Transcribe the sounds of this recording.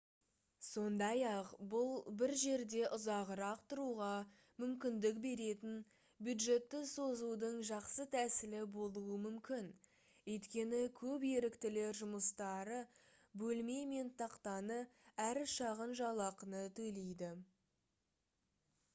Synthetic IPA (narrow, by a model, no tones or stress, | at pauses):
so̞nd̪ɑjɑqbʊlˠbɪɾʒe̞ɾd̪e̞ʔʊzɑʁəɾɑqt̪ʰʊɾuʁɑ | mʏmkʲɪnd̪ɪk̚be̞ɾe̞t̪ɪn | bjud̪ʒe̞t̪ːɪsozud̪əɴʒɑqsət̪ʰæsɪlɪbo̞lˠuəmʏmkʲɪn | wɵjt̪kʲe̞nɪkʲʰɵpje̞ɾɪkt̪ɪle̞ɾʒʊməst̪ɑɾə | bɵlme̞jme̞nt̪ʰɑqt̪ɑnəæɾʃɑʁənʒɑlˠɑqənət̪ʰɵjle̞jd̪ɪ